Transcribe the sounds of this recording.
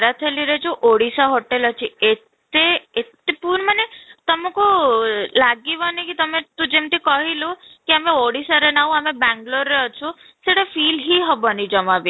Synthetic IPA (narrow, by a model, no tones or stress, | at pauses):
ɾat̪ʰeliɾed͡ʒʰuʔoɽisaɦoʈelɔt͡ʃʰiett̪eːt̪epuɾɳmanet̪ɔmɔ̃kulaɡiʋɔnikit̪ɔmet̪ũd͡ʒemʈ̪ikɔɦilukiameoɽisaɾenaũamebaŋɡloɾeɔt͡ʃʰɔ | seʈɔfilɦiɦɔbɔnid͡ʒɔmabi